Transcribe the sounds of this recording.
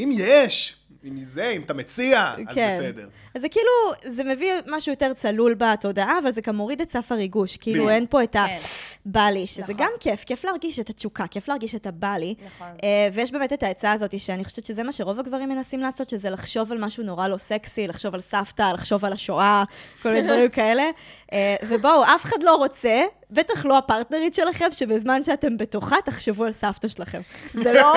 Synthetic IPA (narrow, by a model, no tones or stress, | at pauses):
imjeʃ | imizeimatamet͡siaazkenedḛʁ | azekiiluzeme̞vimaʃujo̞te̞ʁt͡salulbato̞daʔaːvalzeɡamo̞ʁidet͡safaʁiɡuʃkiiluenpo̞etabaliʃezeɡamkefkeflaːʁɡiʃetat͡ʃukake̞fleaʁɡiʃetabaliʔevejɛʃ̬beːmetetaet͡saːzo̞tiʃeaniχoʃɛvett͡ʃʃezemaʃeʁo̞vaɡvaʁimːe̞nasimleːso̞t̪ʃezelaχʃo̞valmaʃuno̞ʁalo̞seksilaχʃo̞valsaftalaχʃo̞valaʃoakolminedvaʁimkaele̞ʔevebowafeχadlo̞ʁo̞t͡se | betaχloapaʁtneʁitʃe̞laχe̞mʃe̞bezmanʃeate̞mbe̞toχataχʃevualsaftaʃelaχe̞mzelo